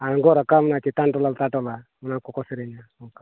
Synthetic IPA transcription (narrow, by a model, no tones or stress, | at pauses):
aŋɡɔɾakamunat͡ʃit̪anʈɔlalt̪aʈɔlamunakɔkɔsiɾɛnaɔka